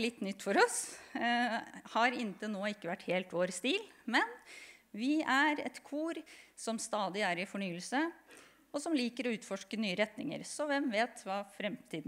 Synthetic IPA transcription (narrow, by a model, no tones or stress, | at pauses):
lɪt̪ːnʏt̪ːfɔɾɔs | hɑɾɪnt̪ənoːɪkːəʋæʈːheːlt̪ʋoːɾst̪iːlmɛnʋɪæɾɛ̰t̪kʰuːɾsɔmst̪ɑːd̪ɪæɾɪfɔɳyːəlsə | ɔsɔmliːkəɾɔʉːt̪fɔʂkənyːəɾɛt̪nɪ̰ŋə̰ɾsɔʋɛmʋeːt̪ʋɑːfɾɛmt̪ʰiːd̪